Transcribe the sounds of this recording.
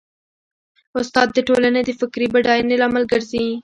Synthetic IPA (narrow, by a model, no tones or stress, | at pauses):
ʊst̪ɑd̪ːəʈolaned̪əfɪkɾibaɖɑjnelɑmalɡəɾzi